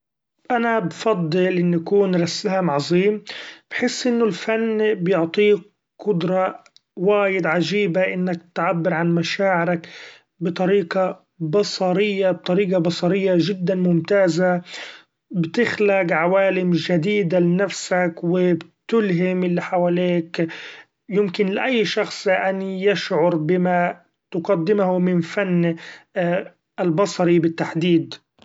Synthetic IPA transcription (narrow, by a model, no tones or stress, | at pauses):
ʔanabfɑd̪ˤːɨlʔɪnːʔakuːnɾasaːmʕɑzˤiːmb̥ħɪsːʔɪnːʊlfanːbjʊʕt̪ˤiː | qʊd̪ɾˤɑ | waːjɪd̪ʕaʒiːbaʔɪnːak̚t̪ʕabːɪɾʕanmaʃaːʕɪɾak | bɨt̪ˤɑɾiːqɑ | bɑsˤɑɾɪjːab̚t̪ˤɑɾiːqɑbɑsˤɑɾɪjːaʒɪd̪ːanmʊmt̪aːza | bt̪ɪxlaɡʕawaːlɪmʒad̪iːd̪alɪnafsakwɪbt̪ʊlɦɪmʔɪlːiħawaleːk | jɪmkɪnlɪʔajːʃɑxsˤʔanjɪʃʕʊɾbɪma | t̪ʊɡad̪ːɪmhumɪnfanː | ʔalbɑsˤɑɾibɪt̪ːaħd̪iːd̪